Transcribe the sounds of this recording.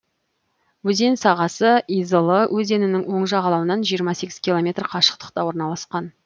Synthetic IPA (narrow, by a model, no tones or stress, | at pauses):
wɵze̞nsɑʁɑsəijzəlˠəwʔɵze̞nɪnɪŋwo̞ɴʒɑʁɑlˠɑwənɑnʒijəɾmɑse̞kʲɪz̥kʲʰilˠo̞mʲe̞t̪rqʰɑʃə̥q̚t̪ə̥q̚t̪ɑwo̞ɾnɑlˠɑsqɑn